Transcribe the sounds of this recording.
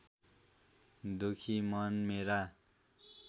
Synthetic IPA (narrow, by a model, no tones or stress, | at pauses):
d̪ukʰimʌnmeɾa